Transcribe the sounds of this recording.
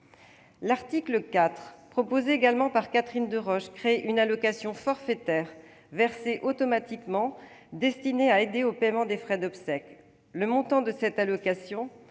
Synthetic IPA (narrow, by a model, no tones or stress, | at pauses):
laʁt̪ikləkat̪χpχɔpozeːɡalmɑ̃paʁkat̪χind̪əʁɔʃkχeʔynalɔkasjɔ̃fɔʁfet̪ɛʁ | vɛʁseʔot̪ɔmat̪ikmɑ̃d̪ɛst̪ineaed̪eopɛmɑ̃d̪efχɛd̪ɔpsɛk | ləmɔ̃t̪ɑ̃d̪əsɛt̪alɔkasjɔ̃